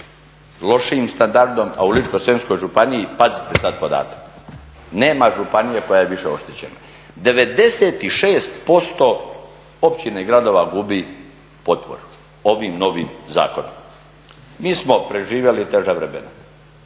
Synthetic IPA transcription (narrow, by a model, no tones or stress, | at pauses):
lo̞ʃiimst̪and̪aɾd̪o̞ma̰ulit͡ʃko̞sensko̞jʒupanijipazit̪esad̪̚pod̪a̰ːt̪ḁk | neːmaʒupanijeko̞jajeʋiʃeo̞̰ʃt̪et͡ɕena̰ | d̪e̞ʋe̞d̪e̞set̪iʃeːst̪po̞st̪o̞ | opt͡ɕineiɡɾad̪o̞ːʋaɡubi | po̞t̪po̰ɾ | o̞ʋimno̞ʋimza̰ːkono̰m | miːsmo̞pɾe̞ʒiːʋjelit̪e̞ʒaʋɾemḛno